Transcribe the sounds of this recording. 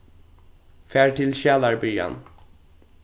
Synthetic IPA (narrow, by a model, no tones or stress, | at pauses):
fæːɹʈʰɪlʃæːlɑɹbʏɑ̰n